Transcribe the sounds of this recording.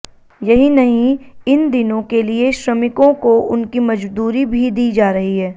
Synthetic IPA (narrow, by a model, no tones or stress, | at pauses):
jɐɦinɐɦĩɪnd̪ɪnõkelieʃɾɐmɪkõkoʔʊnkimɐd͡ʒd̪uːɾibʱid̪iːd͡ʒaːɾɐɦiɦɛː